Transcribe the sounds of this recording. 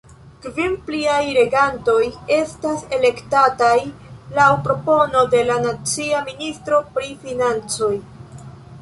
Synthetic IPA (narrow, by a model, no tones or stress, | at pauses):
kvimpliajɾe̞ɡanto̞je̞stase̞le̞ktatajlawpɾo̞po̞no̞de̞lanat͡siaministɾo̞pɾifinant͡so̞j